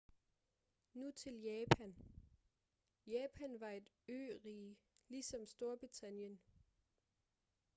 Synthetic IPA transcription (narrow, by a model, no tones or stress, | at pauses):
nut͡sʰe̝ljɛːpʰæn | jɛːpʰænʋɑ̈e̝d̥ | øʁiːlisɒ̽msd̥o̝ɐb̥ʁit͡sʰænjən